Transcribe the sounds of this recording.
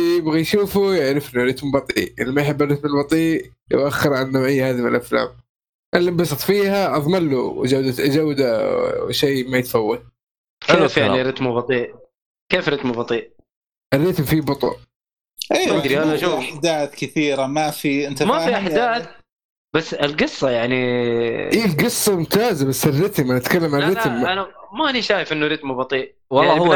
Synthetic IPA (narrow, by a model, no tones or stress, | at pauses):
jjɪbɣijʃuːfujaʕɾɪfʔɪnːaɾɪt̪mbɑt̪ˤiːʔʔɪ̰lːimajħɪbːɪrˤːɪt̪mɪlbɑt̪ˤiːʔ | jʊ̰ʔaxːɪɾʕanːoʔɪjːhaːðimɪ̰lʔafla̰ːm | ʔɪlːabɑsˤɨt̪ˤfiːhaʔɑðˤmalːuwd͡ʒawːd̪at̪ʔad͡ʒawːd̪aʃejmajɪt̪fawːad̪̚ | kefjaʕniɾɪt̪mubɑt̪ˤiːʔ | keːfɾɪt̪mʊbɑt̪ˤiːʔ | ʔɪrːɪt̪mfibʊt̪ˤṵn | ʔiːɾiʔaaʔʃuːaħd̪aːt̪kɪθiːɾamafiɪnt̪amafiʔaħd̪aːθ | b̥asːɪlɡɨsˤːɑjaʕniʔiːlɡɨsˤːɑmʊmt̪aːzabasːɪrːɪt̪manat̪kalːamʕanɾˤɪt̪mʔanamaʔaniʃaːjɪfʔɪnːuɾɪt̪mubɑt̪ˤiːʔ | wlaɑ